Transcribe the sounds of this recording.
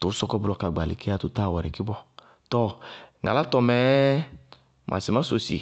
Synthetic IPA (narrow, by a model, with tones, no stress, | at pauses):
tʊ˨˦sɔ˧kɔ˧blɔ˧ka˨ɡ͡ba˨lḭ˨ki˦a˦tu˦ta˦˨wɔ˨ɾɛ˨ki˦bɔ˦ | tɔ˦˨ŋa̰˨la˦tɔ˧mɛ˨˦ | mʔa̰˨si˨mã˦so˨sḭ˨